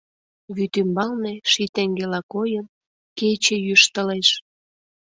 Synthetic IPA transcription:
βyt̪ymbɑlneʃit̪eŋɡelɑkojən | ket͡ɕejyʃt̪əleʃ

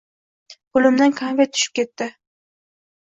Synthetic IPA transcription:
qʊlɪmd̪ankʰanvʲat̪ʰʊ̥ʃɪ̥p̚kʲʰe̞t̪ːɪ

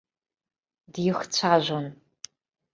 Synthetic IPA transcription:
djɪxt͡ɕʷʰaːʒʷon

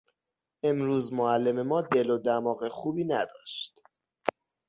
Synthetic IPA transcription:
ʔe̞mɾuːzmoælːe̞me̞mɒːd̪e̞lod̪æmɒːɣexubiːnæd̪ɒːʃt̪

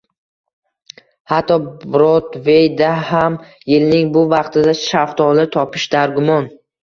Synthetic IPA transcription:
hat̪ːɒbɾɒt̪vejd̪aham | jɪlnɪŋbʊvɑqt̪ʰɪd̪aʃaft̪ʰɒlˠɪt̪ʰɒpʰɪʃd̪aɾɡʊmɒn

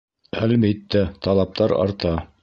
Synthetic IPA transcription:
ælbit̪ːæt̪ɑlˠɑp̚t̪ɑɾɑ̰ɾt̪ɑ

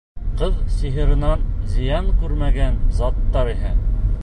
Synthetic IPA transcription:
qɤðsiɦɤ̆ɾɤ̆nɑnzĭjɑɴkʉɾmæɡænzɑt̪ːɑɾiɦæ

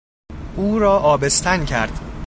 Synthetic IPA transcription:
ʔuːɾɒːʔɒːbest̪ʰæncʰæɾd̪̥

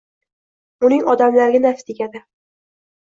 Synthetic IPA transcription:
ʊnɪŋɒd̪amlaɾɡʲanafst̪eɡʲad̪ɪ

